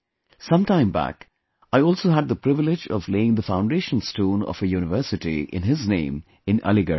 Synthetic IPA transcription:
sʌ̃mtãɪ̃mbæ̰k | aɪɔːlˠsoːɦæd̪̚d̪əpɾɪʋɪlɪd͡ʒɔ̰vleɪɪ̃ŋd̪əfãʊ̃ɳɖeːʃə̃nstũːnɔ̰fəjuːnɪʋəːsɨʈḭʔɪ̰̃nɦɪznḛ̃ɪ̃m | ɪ̃nʌ̰lɪɡə̰

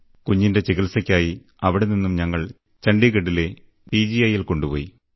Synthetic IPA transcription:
kuɲːinde̞t͡ɕiɣilsɐkʲːaːji | ɐʋiɽeninːumɲɐŋːɐɭ | t͡ɕɐɳɖiɣeɽːile̞ | piːd͡ʑijɐjilko̞ɳɖupo̞̰ːji

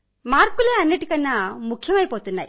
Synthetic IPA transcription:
maːɾkːuleɐnːeʈikɐnːamukʰːjɐmɐjpoːt̪unːaj

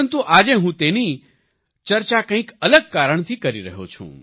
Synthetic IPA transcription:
ənt̪uʔad͡ʒeɦũt̪eni | t͡ʃəɾt͡ʃakə̃ĩkələɡ̚kaɾəɳ̃t̪ʰikəɾiɾə̰ɦo̰t͡ʃʰṵ̃

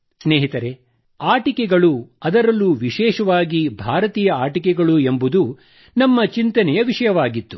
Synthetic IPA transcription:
sneːɦit̪ɐɾe̞ | aːʈikɛɡɐɭuɐd̪ɐɾɐlːuʋiʃɛːʃɐʋaːɡibʱaːɾɐt̪iːjɐaːʈikɛɡɐɭue̞mbud̪u | nɐmːɐt͡ʃint̪ɐnɛjɐʋiʂɐjɐʋaːɡit̪ːu

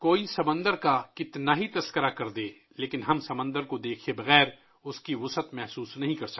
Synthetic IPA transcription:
koːisɐbə̃nd̪əɾkakɪt̪naɦit̪ɐskəɾakɐɾd̪eː | leːkɪnɦɐmsɐbə̃nd̪əɾkod̪eːkʰebɐɣɛːɾ | ʊskiʋʊsət̪mɛɦsuːsnɐɦĩkɐɾsɐ

